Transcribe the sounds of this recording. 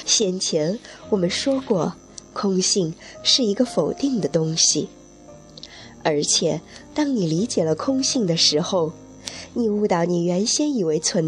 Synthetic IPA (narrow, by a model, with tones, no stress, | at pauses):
ɕjɛ˥˩nt͡ɕʰjɛ˧˥nwɔ˨˩mə˦nʂwɔ˥kwɔ˥˩ | kʰʊ˥ŋɕi˥˧ŋʂɻ̩˥˩i˧˥ɡə˧fo˨˩ʊt̪i˥˩ŋd̪ə˩t̪ʊ˥ŋɕi˨˩ | ə˞˧˥t͡ɕʰjɛ˨˩˦t̪ɑ˥ŋni˨˩li˧˥t͡ɕjɛ˨˩lə˦kʰʊ˥ŋɕi˥˩ŋd̪ə˩ʂɻ̩˧˥xo˥˧ʊ | ni˨˩u˥˩t̪ɑ˥˩ʊni˨˩ɥɛ˧˥nɕjɛ˥ni˨˩we˧˥ɪt͡sʰwə˧˥n